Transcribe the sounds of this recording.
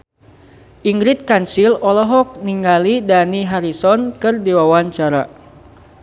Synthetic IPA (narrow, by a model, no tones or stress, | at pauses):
ʔiŋɡɾit̪̚kansilɔlɔɦɔk̚niŋɡalidaniɦaɾisɔnkɨrdiwawaɲt͡ʃaɾa̰